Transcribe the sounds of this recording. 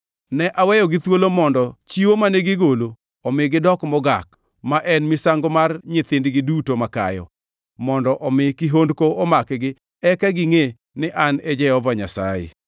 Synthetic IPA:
nɛʔawɛjɔɡɪt̪wolomɔndɔt͡ʃiwomaneɡɪɡolo | ɔmɪɡɪdɔkmɔɡak̚ | maʔɛnmɪsaŋɡɔmarɲɪt̪ɪndɡɪdutomaka̰jɔ̰ | mɔndɔʔɔmɪkɪɦondkoɔmakɛɡɪ | ɛkaɡɪŋe | nɪʔanɛd͡ʒɛɔvaɲa̰sa̰jḛ

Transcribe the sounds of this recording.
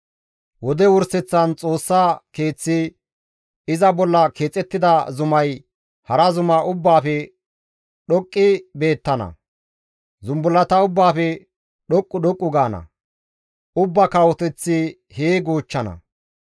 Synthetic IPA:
wɔd̪ɛwʊɾsɛt͡sːɐnt͡sʼo̞ːsːaːke̞ːt͡sːɪ | ɪzɐbɔlːɐkʰe̞ːt͡sʼːɛt̪ːɪd̪ɐzʊmɐj | hɐɾɐzʊmɐʔʊbːaːfɛ | ɗɔkʼːɪbe̞ːt̪ːɐnɐ̰ | zʊmbʊlːɐt̪ɐʊbːaːfɛ | ɗɔkʼːʊɗɔkʼːʊɡaːnɐ̰ | ʊbːɐkawɔt̪ɛt͡sːɪ | heːɡoːt͡ʃːɐnɐ̰

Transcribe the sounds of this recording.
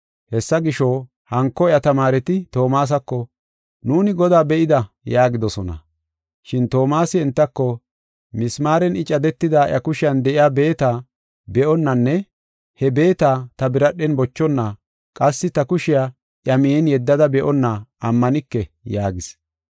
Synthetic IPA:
hɛsːɐɡɪʃɔ | hɐŋkːɔɪjɐt̪ɐmaːɾɛt̪ɪt̪o̞ːmaːs̬ɐkːɔ | nuːnɪɡɔd̪aːbɛʔɪd̪ɐ | jaːɡɪd̪ɔsɔnɐ̰ | ʃɪnt̪o̞ːmaːsɪɛnt̪ːɐkːɔ | mɪsmaːɾɛnɪt͡ʃʼɐd̪ɛt̪ːɪd̪aːʔɐkʊʃɪjɐnd̪ɛʔɪjaːbe̞ːt̪aː | bɛʔɔnːɐnːɛ | hɛbe̞ːt̪aːt̪ɐbɪɾɐɗɛnbɔt͡ʃːɔnːa | kʼɐsːɪt̪ɐkʊʃɪjaː | ʔjɐmɪɛnjɛd̪ːɐd̪ɐbɛʔɔnːaʔɐmːɐnɪkːɛjaːɡɪs

